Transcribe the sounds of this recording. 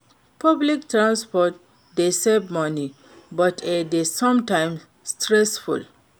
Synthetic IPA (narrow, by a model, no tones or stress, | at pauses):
pʌblik̚tɾãnspɔt̚ | d̪esebmʌni | bʌtʰed̪esʌ̃mʈãɪ̃m | sʈɾesfṵl